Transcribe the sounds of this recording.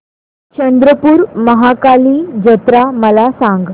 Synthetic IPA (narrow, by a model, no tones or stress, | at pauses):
t͡ɕənd̪ɾəpuːɾməɦakaliːd͡ʑət̪ɾaməlasãŋɡ